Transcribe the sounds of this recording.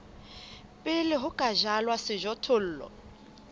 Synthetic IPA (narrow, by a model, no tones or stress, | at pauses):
pʼɪlɪɦʊkʼaʒalwasɪʒɔtʰʊl̩ːlɔ̰